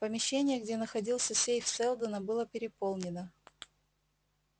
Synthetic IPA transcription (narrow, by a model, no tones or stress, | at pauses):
pəmʲɪɕːenʲɪjəɡdʲenəxɐdʲilˠsʲəsʲejft̪sɛlˠd̪ənəbɨlˠəpʲɪɾʲɪpolˠnʲɪnə